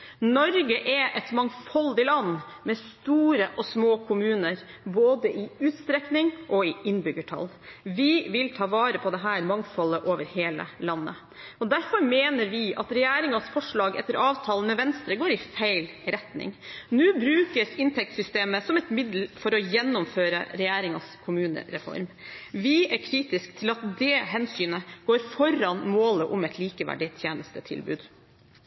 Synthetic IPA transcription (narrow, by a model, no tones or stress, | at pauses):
nɔɾɡəʔɛʔɛt̪mɑŋfɔld̪ɪlɑnːmɛst̪uːɾəʔɔsmoːkʰʊmʉːnəɾ | boːd̪əʔɪʉːt̪st̪ɾɛknɪŋʔɔɪɪnbʏɡəʈʰɑ̰l | ʋɪʋɪlt̪ʰɑːʋɑːɾəpʰɔd̪ɛɦæːɾmɑŋfɔlːəʔoːʋəɾheːlə̰lɑnːə̰ | ɔd̪æɾfɔɾmeːnəɾʋɪʔɑt̪ɾɛjæːɾɪŋɑsfɔʂɭɑːɡɛ̰t̪ːəɾʔɑːʋt̪ʰɑːlənmɛʋɛnst̪ɾəɡoːɾɪfæɪl | ɾɛt̪nɪ̰ŋnʉːbɾʉːkəsɪnt̪ʰɛk̚t̪sʏst̪eːməsɔmɛt̪mɪd̪l̩fɔɾɔjɛnːɔmføːɾə̰ɾɛjæːɾɪŋɑskʰʊmʉːnə̰ɾɛfɔ̰ɾmʋɪæɾkʰɾiːt̪ɪskt̪ʰɪlɑt̪d̪ɛɦɛnsyːnəɡ̥oːɾfɔɾɑnmoːləʔɔmɛt̪ʰliːkəʋæ̰ɖɪt̪ʰjeːnəst̪ət̪ʰɪ̰lbʉ̰ːd̪